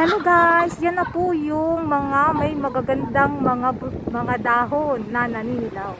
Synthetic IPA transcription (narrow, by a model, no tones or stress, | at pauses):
ɐloɡasjanːɐpʊjʊŋmɐŋamɐjmɐɡaɡɐnd̪aŋmɐŋabmɐŋad̪aːɦonːɐnɐninɪd̪aw